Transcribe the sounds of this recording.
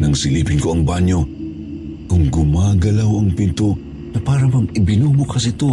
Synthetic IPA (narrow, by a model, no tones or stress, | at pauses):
nɐŋsɪlipɪnkoɐŋbaɲjo | kʊŋɡʊmaːɡɐlawɐŋpɪnt̪o | nɐpaːɾɐmamɪbɪnubʊkʰɐsɪt̪o